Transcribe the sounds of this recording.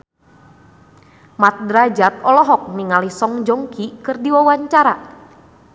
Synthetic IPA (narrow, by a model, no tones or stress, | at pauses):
mat̪̚dɾad͡ʒat̪̚ɔlɔɦɔk̚niŋalisɔŋd͡ʒɔŋkikɨrdiwawaɲt͡ʃaɾa